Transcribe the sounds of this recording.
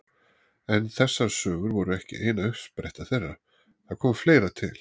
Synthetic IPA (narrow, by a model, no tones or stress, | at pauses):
ɛnθɛsːaɾ̥sœːɣʏɾvɔɾʏɛhcɪ̰ʔeːjnaœhspɾejht̪aθerːaɾ̥ | θaðkʰɔːmfleːjɾat̪ʰɪ̰l̥